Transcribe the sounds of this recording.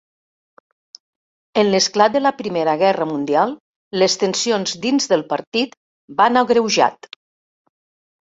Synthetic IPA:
ənləsklat̪̚d̪ələpɾimeɾəɣɛrəmund̪ialˠː | əst̪ənsionzd̪inzðəlˠpəɾt̪it̪ | banaɣɾəwʒa̰t̪

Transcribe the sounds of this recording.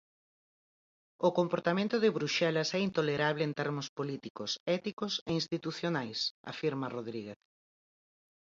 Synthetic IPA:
ʊkompoɾt̪amẽnt̪ʊðɪβɾuʃɛlɐsɛint̪oleɾaβlɪːnt̪ɛɾmʊspolit̪ikʊsɛt̪ikʊseinst̪it̪uθjonajsa̰fiɾmaroðɾiɣeθ

